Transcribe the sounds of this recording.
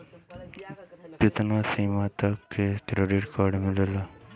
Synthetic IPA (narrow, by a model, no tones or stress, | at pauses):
pɪt̪naːsiːmat̪akːekɾeɖiʈkaːɖmɪlelaː